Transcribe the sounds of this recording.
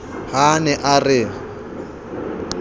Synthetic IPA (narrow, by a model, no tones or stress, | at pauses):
hanɛʔarɪ